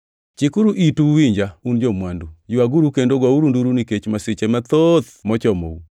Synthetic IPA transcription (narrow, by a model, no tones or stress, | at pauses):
t͡ʃɪkuɾuʔituwiɲd͡ʒaund͡ʒɔmwandujuwaɡuɾukendoɡwauɾunduɾuniket͡ʃmasɪt͡ʃemat̪ot̪mɔt͡ʃɔmo̰u